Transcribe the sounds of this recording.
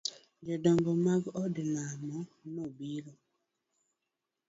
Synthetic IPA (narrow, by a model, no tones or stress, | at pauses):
d͡ʒɔdɔŋɡɔmaɡɔdilamɔnobiɾɔ